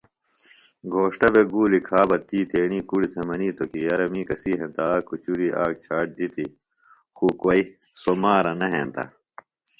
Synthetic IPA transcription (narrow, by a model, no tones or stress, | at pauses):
ɡʱoːʂʈɐbeɡuːlikʰaːbɐt̪iːt̪ʰeːñiːkuɽit̪ʰɐmɐniːt̪okijɐɾɐmiːkɐsiːɦẽnt̪aːkut͡ɕuɾiʔaːk̚t͡ɕʰaːʈ̚d̪it̪i | xuːkwɐisomaːɾɐnɐɦḛnt̪ɐ̰